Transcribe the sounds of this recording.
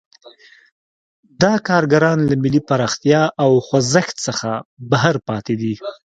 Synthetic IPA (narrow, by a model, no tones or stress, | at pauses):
d̪ɑkɑɾɡaɾɑnlamɪlipaɾɑxt̪jɑʔawxwazəxt̪səxabaɦaɾpɑt̪ed̪i